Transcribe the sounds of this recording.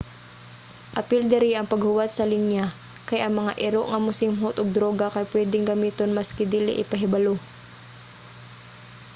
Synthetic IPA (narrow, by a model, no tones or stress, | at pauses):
ʔɐpɪld̪ɪɾiʔɐŋpɐɡhʊwat̪̚sɐlinja | kɐjʔɐŋmɐŋaʔɪɾoʔŋɐmʊsɪmɦot̪oɡ̚d̪ɾoːɡakɐjpwɛːd̪ɪŋɡɐmiːt̪onmɐskɛd̪iːlɪ̰ʔɪpɐɦɪbɐlo